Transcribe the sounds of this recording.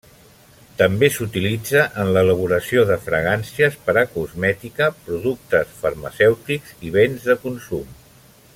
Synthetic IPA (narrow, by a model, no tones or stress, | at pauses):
t̪əmbesut̪ilid͡zəʔənlələβ̞uɾəsioðəfɾə̰ɣ̞ansiəspəɾəkuzmɛt̪ikəpɾuðuk̚t̪əsfərmə̰sɛwt̪ikz̥iβ̞enzðəkunsum